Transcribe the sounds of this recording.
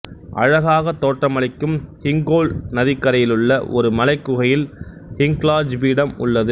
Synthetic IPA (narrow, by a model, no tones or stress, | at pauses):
ʔɐ̰ɻɐɣaːɣɐt̪ːoːʈrɐmɐɭɪkːɯmhɪŋɡoːlnɐðɪkːɐɾɐjɪlɯɭːɐʔɔɾɯmɐlɐɪkːɯɣɐjɪl | hɪŋɡlaːd͡ʒʋiːɽɐmʊ̰ɭːɐðɯ